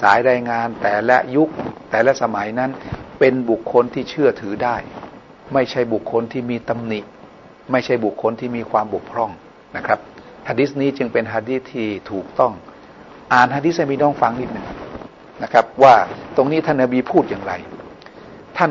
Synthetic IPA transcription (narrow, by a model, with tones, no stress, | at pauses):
saː˩˦jɾaː˧jŋaː˧nt̪ɛː˨˩lɛ̰˦˥ʔju˦˥k̚t̪ɛː˨˩lɛ˦˥sa˧ma˩˦jna˦˥npe˧nbu˨˩kʰːo˧nt̪ʰiː˥˩t͡ɕʰɯ˥˩ɐt̪ʰɯː˩˦daː˥˩j | ma˥˩jt͡ɕʰa˥˩jbu˨˩kʰːo˧nt̪ʰiː˥˩miː˧t̪a˧mni˨˩ʔ | ma˥˩jt͡ɕʰa˥˩jbu˨˩kʰːo˧nt̪ʰiː˥˩miː˧kʰwaː˧mbo˨˩k̚kʰɾɔ˧˥˩ŋ | na˦˥kʰɾa˦˥p̚ | hʰaː˧di˦˥sniː˦˥t͡ɕɯ˧ŋpe˧nɦaː˧di˦˥t̪ʰːiː˥˩t̪ʰuː˨˩k̚t̪ɔ˥˩ŋ | ʔaː˨˩nhaː˧di˦˥sa˥˩miː˧nɔː˦˥˩ŋfa˧ŋniː˦˥˩t̪̚nɯ˨˩ŋ | na˦˥kʰɾa˦˥p̚waː˥˩t̪o˧ŋniː˦˥t̪ʰa˥˩nːa˧biː˧pʰuː˥˩t̪̚jaː˨˩ŋɾa˧j | t̪ʰa˥˩n